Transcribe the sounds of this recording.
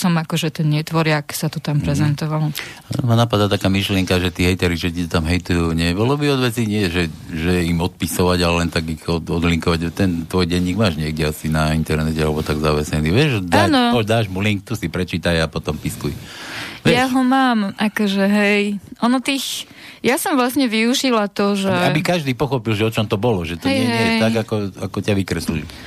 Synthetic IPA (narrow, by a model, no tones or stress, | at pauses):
sɔmakɔʒɛt̪ɛnɲɪɛt̪ʋɔɾɪaksat̪ut̪ampɾɛzɛnt̪ɔʋalanmanapad̪aːt̪akaːmiʃlɪɛŋkaʒɛt̪iːɦɛjt̪ɛɾiʒɛcit̪ɔt̪amɦɛjt̪ujuɲɛbɔlɔbiɔd̪ʋɛt͡siːɲɪɛʒɛʒɛjɛimɔt̪̚pisɔʋaɟalɛlɛnt̪aɡixɔɔd̪liŋkɔʋaɟt̪ɛnt̪ʋɔjɟɛɲːiːɡmaːʒɲɪɛɡ̚ɟɛasinaint̪ɛɾnɛcɛalɛbɔt̪aɡzaʋɛsɲɛniʋɛʒd̪aːnpɔd̪aːʒmuliŋk̚t̪usipɾɛt͡ʃiːt̪ajapɔt̪ɔmpiskujʋɛjaɦɔmaːmʔakɔʒɛɦɛjʔɔnɔt̪iːx | jasɔmʋlasɲɛʋiuʒilat̪ɔʒɛabikaʒd̪iːpɔxɔpilʒɛɔt͡ʃɔmt̪ɔbɔlɔʒɛt̪ɔɲɛɲɛɛt̪aɡakɔakɔcaʋikɾɛslili